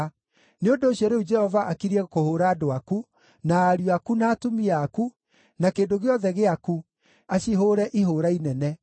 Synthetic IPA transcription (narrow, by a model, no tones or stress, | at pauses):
neondoːɕjɔɾeud͡ʒɛhɔvaʔakiɾiɛkohoːɾaːdoaku | naːɾjakunaːtomiaːku | nakeːndoɣeɔðɛɣeaku | aɕiɦoːɾɛʔiɦoɾainɛnɛ